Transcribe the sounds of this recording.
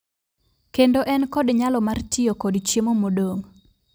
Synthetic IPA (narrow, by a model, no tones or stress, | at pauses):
kendoʔɛnkɔdɲalɔmartɪjokɔdt͡ʃjemomodoŋ